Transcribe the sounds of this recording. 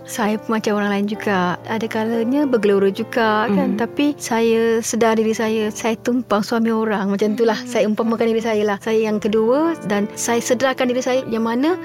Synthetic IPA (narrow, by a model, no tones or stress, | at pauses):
sajəpəmat͡ʃamoɾaŋlaɪnd͡ʒuɡaʔadakaləɲabəɡəluɾəd͡ʒuɡakant̪apisajəsədardiɾisajəsajət̪umpaŋsuamĩoɾaŋmat͡ʃamt̪̬ulahsajəumpamakandiɾisajəlahsajəjaŋkəduədansajəsədɾakandiɾisajəjaŋmanə̃